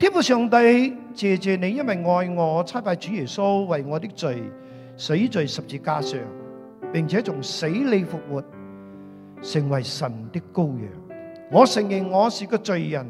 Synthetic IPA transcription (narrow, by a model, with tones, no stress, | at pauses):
t̪ʰiː˥nfuː˨˩sœː˨ŋt̪ɐ˥jt͡sɛː˨t͡sɛː˨ne˨˧jɐ˥nwɐ˨jŋɔː˧jŋɔː˨˧˥t͡sʰaː˥paː˧jt͡ʃyː˨˥jɛː˨˩so˥wwɐ˨jŋɔː˨˧t̪ɪ˥k̚t͡sɵ˨ɥ | se˨˥jt͡sɵ˨ɥsɐ˨p̚t͡siː˧kaː˧sœː˨ŋ | pɪ˨ŋt͡sʰɛː˨˥t͡sʊ˨˩ŋse˨˥jle˨˧jfʊ˨k̚wuː˨˩t̚ | sɪ˨˩ŋwɐ˨˩jsɐ˨˩nt̪ɪ˥kːo˥wjœ̰ː˨˩ŋ | ŋɔː˨˧sɪ˨˩ŋjɪ˨˩ŋːɔː˨˧siː˨kɔː˧t͡ʃɵ˨ɥjɐ˨˩n